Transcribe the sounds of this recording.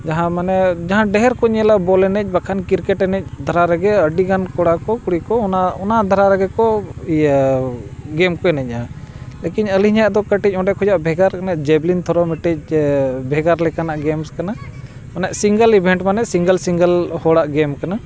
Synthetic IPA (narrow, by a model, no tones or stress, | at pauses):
d͡ʒaɦãmanɛd͡ʒaɦãɖɛɦɛɾkɔɲɛlabɔlɛnɛc̚ˀbakʰankiɾkɛʈɛnɛc̚d̪ʱaɾaɾɛɡɛəɖiɡankɔɽakɔkuɽikɔnaɔnad̪ʱaɾaɾɛɡɛkɔ | ɡɛmkɔɛnɛc̚ˀalɛkiɲəliɦɲaʔd̪ɔkəʈic̚ˀɔ̃ɖɛkʰɔd͡ʒaʔbʱɛɡaɾkanaʔd͡ʒɛblint̪ʰɔɾɔmiʈɛc̚ˀbʱɛɡaɾlɛkanaʔɡɛmskana | manɛʔsiŋɡəlibʱɛɳʈmanɛʔsiŋɡəlsiŋɡəlhɔɽaʔɡɛmkana